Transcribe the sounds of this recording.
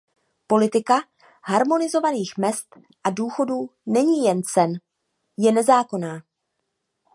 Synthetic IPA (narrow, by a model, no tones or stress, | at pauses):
po̞lɪt̪ɪka | ɦaɾmo̞nɪzo̞vaniːxmɛst̪ | ʔaduːxo̞duːnɛɲiːjɛnt͡sɛn | jɛnɛzaːko̞naː